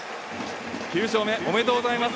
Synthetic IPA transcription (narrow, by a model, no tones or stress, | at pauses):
çʲɯːɕ̬oːme̞ʔomet̪oɡozaimas